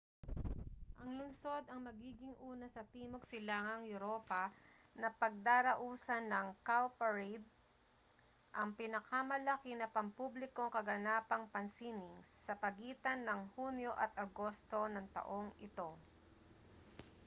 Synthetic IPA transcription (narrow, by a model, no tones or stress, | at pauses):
ʔɐŋlʊnso̞d̪ɐŋmɐɡiːɡɪŋʔuːnɐsɐt̪iːmoɡ̚sɪlaːŋɐŋjʊɾo̞ːpɐ | nɐpɐɡ̚d̪aːɾɐʔuːsɐnːɐŋkawpɐɹɛjd̪̚ | ʔɐŋpɪnɐkɐmɐlɐkɪnɐpɐmpublɪko̞ŋkɐɡɐnaːpɐŋpɐnsinɪŋsːɐpɐɡiːt̪ɐnːɐŋhunjoʔɐt̪ʔɐɡo̞st̪o̞nɐŋt̪ɐ̰ʔo̞ŋɪt̪o̞